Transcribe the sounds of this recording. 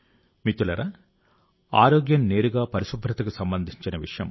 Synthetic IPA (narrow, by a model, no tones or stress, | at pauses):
mit̪ulɐɾɐ | a̰ːɾoːɡjɐmne̞ːɾuɡaːpɐɾiʃubʱɾɐt̪ɐkusɐmbɐnd̪ʱiɲt͡ʃinɐʋḭʂɐjɐ̰m